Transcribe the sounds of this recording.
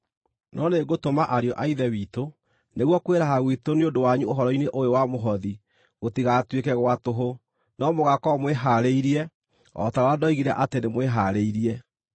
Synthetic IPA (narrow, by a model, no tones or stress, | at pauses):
nʔɔneɡotomaʔaɾeɔʔaiðɛwiːto | neɣwɔkweɾaɦaɣwitoneondowaɲuoɦɔɾɔineʔojowamoɦɔði | ɣotiɣatwekɛɣwatoɦo | nɔmoɣakɔmweɦaɾeiɾiɛ | ɔ̰taɾadɔiɣiɾɛʔatenemweɦaɾeiɾiɛ